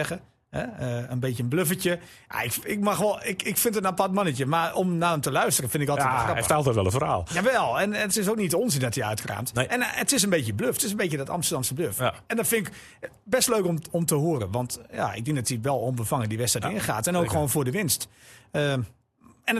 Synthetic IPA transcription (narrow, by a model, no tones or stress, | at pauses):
ɛxə | hɛəənbeːtəənbløfəcə | ja̰ɪkɪk̚maxʋɔlˠɪkɪkfɪntənapatmanəcəmarɔmnaːdəmtəlœɥstərəfɪndɪkɔlˠtəxrɑətɛlˠtɛtʋɛlˠənfəra̰ːlˠjaʋɛlˠɛnətɪsoːknitəonzɪndɔtiœɥtkra̰ːmtɛnətɪs̬ənbetəbløftɪs̬ənbeːədɔtɑ̰mstərdɑmsəbløfɛndɔnfɪnɪk | bɛstløɥkomɔmtəɦoəɾənʋɑntja̰ɪ̰ɡ̚dɪ̃ŋk̚dɔtiʋɛlˠombəfaŋədiʋɛstatɪxaːtɛnowkxoːnfʊdəʋɪnstə | ɛn